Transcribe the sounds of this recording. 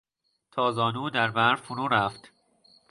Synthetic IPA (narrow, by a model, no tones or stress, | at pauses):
t̪ʰɒːzɒːnuːd̪æɾbæɾfunuːɾæft̪